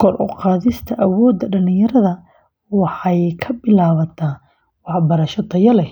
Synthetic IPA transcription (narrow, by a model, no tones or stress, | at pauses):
kʰɔrʔɔqɑːðɪst̪ʰɐʔɐwɔːd̪ːɐɖɐlɪ̃jɐɾɐðɐ | wɑħɑjkʰɐbɪlaːβɐt̪ʰaː | wɑħbɐɾɐʃɐd̪ʰɐjɐlɛ